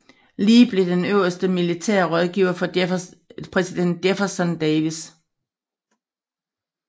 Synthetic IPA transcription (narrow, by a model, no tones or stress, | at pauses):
liːb̥le̝d̥enøʊ̰ɐsd̥əmilit͡sʰɛɐ̰ʁɒð̞ˠɡ̥iːʊ̰ɐfɒ̽ | pʰʁɛsid̥en̰d̥efɐsɒnd̥ɛʋis